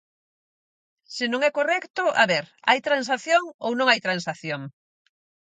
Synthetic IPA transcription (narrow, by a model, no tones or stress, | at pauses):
sɪnõŋɛkorɛkt̪ʊʔa̰βɛɾa̰jt̪ɾans̬aθjoŋownõŋajt̪ɾãnsaθjoŋ